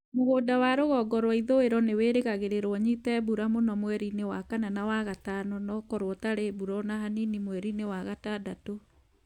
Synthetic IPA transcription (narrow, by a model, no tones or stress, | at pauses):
moɣoːdawaɾoɣɔɡɔɾwɔiðoeɾɔneweːɾeɣaɣeɾeɾwɔɲitɛbuɾamonɔmwɛɾinewakananawaɣatanɔnɔkɔɾwɔtaɾebuɾɔnaɦaninimwɛɾinewaɣatadato